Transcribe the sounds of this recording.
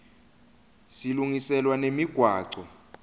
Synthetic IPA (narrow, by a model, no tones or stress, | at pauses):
siluŋisɛlwanemiɡ̥ʱwaːǀɔ